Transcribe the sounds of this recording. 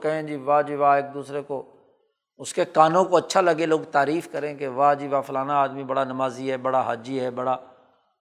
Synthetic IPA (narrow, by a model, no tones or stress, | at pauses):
kəɦẽːd͡ʒiːʋaːd͡ʒiːʋaːeːk̚d̪uːsɾekoː | ʊskekaːnõːkoətːʃʰaːləɡeloːɡt̪aːɾiːfkəɾẽːkeʋaːd͡ʒiːʋaːfʊlaːnaaːd̪mibəɽaːnəmaːziɦɛːbəɽaːɦaːd͡ʒiːɦɛːbəɽaː